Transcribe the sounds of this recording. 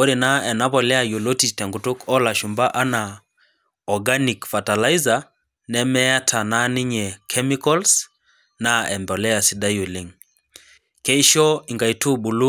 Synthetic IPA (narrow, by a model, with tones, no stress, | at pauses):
o˦ɾe˨na˦ɛ˨na˦βɔ˨lɛ˦a˨jo˨lo˦ti˨tɛ˨ŋɡu˨tu˦kɔ˦la˨ʃu˨mba˦ʔa˦na˨ | ɔ˨ɡa˦ni˨kfa˨ta˨la˦i˦za˨ | nɛ˦mɛ˦a˦tʰa˨na˦ni˦ɲɛ˨kʰɛ˦mi˦kɔ˦ls | na˦ɛ˨mbɔ˨lɛ˦a˨si˨da˦jo˨lɪ˦ŋ | ke˦i˦ʃɔ˦i˨ŋɡa˨i˦tu˦bu˨lu˦